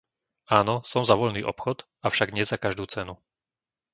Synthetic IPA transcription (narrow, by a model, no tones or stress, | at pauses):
aːnɔsɔmzaʋɔʎniːʔɔ̰pxɔt̪ | afʃaɡɲɛzakaʒd̪uːt͡sɛnu